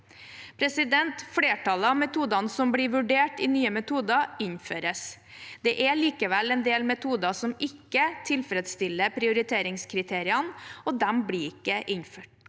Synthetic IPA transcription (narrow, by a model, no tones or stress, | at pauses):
pʰɾɛsɪd̪ɛnt̪fleːʈʰɑləɑmɛt̪ʰuːd̪ɑnsɔmbɽɪʋʉɖeːʈɪnyːəmɛt̪ʰuːd̪ɑɪɲføːɾəs | d̪̥ɛʔæɭiːkəʋɛlɛnd̪eːlmɛt̪ʰuːd̪ɑsɔmɪkːət̪ʰɪlfɾɛd̪st̪ɪlːəpʰɾɪʊɾɪt̪ʰeːɾɪŋskʰɾɪt̪ʰeːɾɪɑnɔd̪ɛmbɽiːɪkːəʔɪɲføːʈ